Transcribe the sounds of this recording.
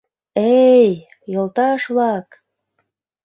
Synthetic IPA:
ej | jolt̪ɑʃβlɑk

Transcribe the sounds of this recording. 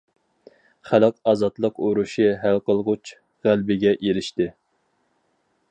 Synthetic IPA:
χælɨqɑːzɑt̪lˠəqoɾuʃɨɦælqəlˠʁʊt͡ʃ | ʁælbɪɡʲɛʔelɪʃt̪ɪ

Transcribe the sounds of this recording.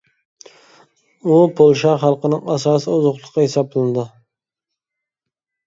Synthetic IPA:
upʰolˠʃɑχɑlˠqənɪŋɑsɑːsɨʊzʊqlˠəqʰːɑhesɑblˠɨnd̪ɪ

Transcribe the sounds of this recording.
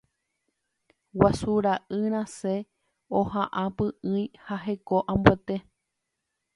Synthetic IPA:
wasuɾaʔɨɾ̃ãse | ohãʔãpɨʔɨ̃j̃haɦe̞ko̞ʔãmbuet̪e̞

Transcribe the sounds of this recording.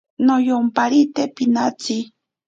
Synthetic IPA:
nojompaɾit̪epinat͡si

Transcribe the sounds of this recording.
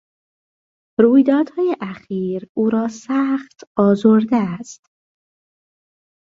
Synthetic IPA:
ɾuːjd̪ɒːd̪̥hɒːjeʔæxiːɾuːɾɒːsæːxt̪ʰɒːzoɾd̪eæst̪

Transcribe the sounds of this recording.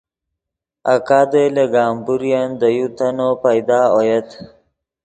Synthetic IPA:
a̰kaːd̪eleɡɑːmbuɾijand̪əjut̪anopajd̪ɑːojat̪

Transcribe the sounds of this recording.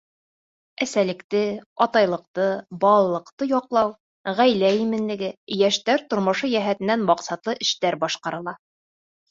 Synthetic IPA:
æsælɘ̆kt̪ɘɒt̪ɑjlˠɤ̆q̚t̪ɤbɑlˠɑlˠɤ̆qt̪ɤjɒqlˠɑw | ʁæjlæjimɘ̆nlɘ̆ɡɘjæʃt̪æɾt̪ŏɾmŏʃɤjæɦæt̪ɘ̆nːænmɑqsɑt̪lˠɤʔɘ̆ʃt̪æɾbɒʃqɑɾɤ̆lˠɑ

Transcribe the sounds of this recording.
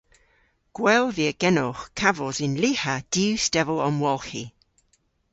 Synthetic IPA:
ɡ̥wɛlˠviəɡ̥ɛnɔχkʰavɔzɪnlihad̥iwstɛvəlˠɔmwɔlˠxi

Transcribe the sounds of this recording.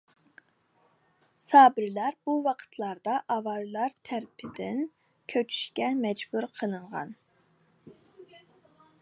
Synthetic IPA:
sɑːbɪɾlæɾb̥uwɑqʰə̥t̪ʰlˠɑɾd̪ɑʔɑvɑɾlˠɑɾt̪ʰæɾpʰɪd̪ɪn | kʲʰøt͡ʃʰy̥ʃkʲɛmɛd͡ʒbuɾqʰənɨɴʁɑ̰n

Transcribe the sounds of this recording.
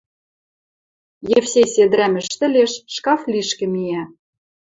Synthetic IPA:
jefsʲesʲed̪ɾæmɘ̆ʃt̪ɘ̆lʲeʃːkɑfliʃkɘ̆mijæ

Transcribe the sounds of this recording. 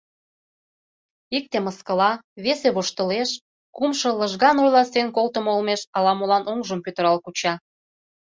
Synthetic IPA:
ik̚t̪eməskəlɑβeseβoʃt̪ə̆leʃ | kumʃɤ̆ləʒɣɑnojlɑsenkolt̪ə̆moolmeʃɑlɑmolɑnʔoŋʒəmpøt̪ə̆ɾɑlkut͡ɕɑ

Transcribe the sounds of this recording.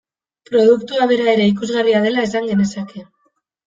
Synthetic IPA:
pɾo̞ðukt̪uaβe̞ɾae̞ɾe̞ik̬uzɣariaðe̞lae̞s̬aŋɡe̞ne̞sakʰe̞

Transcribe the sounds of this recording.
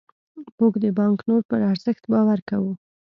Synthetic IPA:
muɡd̪əbɑŋknoɾpəɾaɾzɪxt̪bɑwaɾkawu

